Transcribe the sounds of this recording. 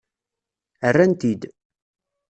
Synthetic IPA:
ərːænt̪id̪

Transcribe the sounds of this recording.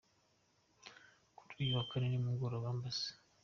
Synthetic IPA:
ku̥tʰʼujiwakaninimuŋɡoɾoβambasi̥

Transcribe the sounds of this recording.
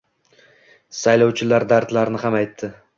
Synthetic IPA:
sajlɒwt͡ʃʰɪlaɾd̪aɾt̪laɾnɪɦamajt̪ʰːɪ

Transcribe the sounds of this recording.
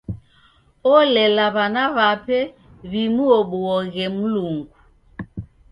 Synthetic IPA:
ɔlɛlaβanaβapɛ | βimuɔɓɔɔɣɛmuluŋɡu

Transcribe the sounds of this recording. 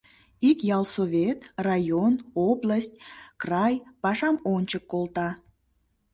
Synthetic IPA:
ikjɑlˠsoβʲet̪rɑjonoblˠasʲtʲkrɑjpɑʃɑmonʲt͡ɕəkːolˠt̪ɑ

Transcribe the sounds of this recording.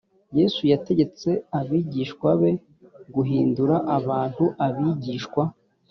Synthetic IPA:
je̞ːsujate̞ɟe̞t͡se̞aβiːɟiːʃkwaβe̞ | ɡuɦiːnduɾaʔaβaːn̥huʔaβiɟiːʃkwa

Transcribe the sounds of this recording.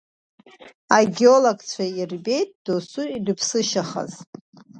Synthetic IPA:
aɡʲeoloɡʼt͡sʷʰairbʲe̞jtʼd̥osuirɨpʰsɨʃaχa̰z

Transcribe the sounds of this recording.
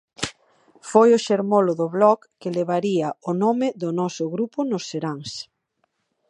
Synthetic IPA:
fojʊʃeɾmolʊðʊβlɔkːɪleβ̞aɾiaʊnomɪðʊnɔsʊɣɾupʊnʊseɾaŋs

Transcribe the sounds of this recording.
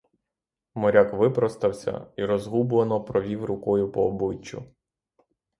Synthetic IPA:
mɔɾʲakʋɪpɾɔst̪ɐwsʲɐ̰iɾɔzɦubʊlˠɐnɔpɾɔʋʲiwɾʊkɔjʊpɔːbɪt͡ʃːʊ̰

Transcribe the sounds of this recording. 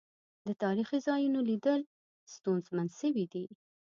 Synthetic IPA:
d̪ət̪ɑɾixizɑjunolid̪əl | st̪unzmanʃəwid̪i

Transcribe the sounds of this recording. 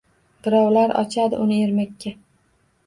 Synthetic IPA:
d̪̥ɪɾɒwlaɾʔɒ̰t͡ʃʰad̪ɪ̰ʔʊnɪeɾmakʲʰːa

